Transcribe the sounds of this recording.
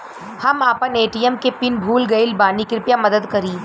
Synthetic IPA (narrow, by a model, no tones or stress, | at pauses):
hɐmaːpəneːʈijəmkepɪnbʱuːlɡɐɪlbaːnikɪɾpjamɐd̪əd̪kɐɾiː